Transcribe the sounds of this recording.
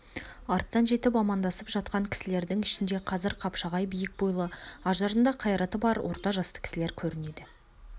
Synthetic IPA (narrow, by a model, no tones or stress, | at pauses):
ɑɾt̪ːɑnʒe̞t̪ɪp̬ɑmɑnd̪ɑsəpʒɑt̪̚qɑŋkʲʰɪ̥sɪle̞ɾd̪ɪŋɪʃɪnd̪e̞qʰɑzɪɾqʰɑpʃɑʁɑjbijɪk̚bujlˠəɑʒɑɾənd̪ɑqʰɑjɾɑt̪əbɑɾwʔo̞̰ɾt̪ɑʒɑst̪ə̥kʲʰɪ̥sɪle̞ɾkʲʰɵɾɪne̞d̪ɪ